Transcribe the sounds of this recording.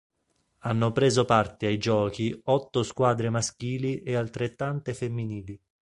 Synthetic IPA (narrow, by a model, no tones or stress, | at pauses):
anːopɾeːzopart̪eajd͡ʒɔːk̟iɔt̪ːoskwaːd̪ɾemask̟iːliʔealt̪ɾet̪ːant̪efemːiniːli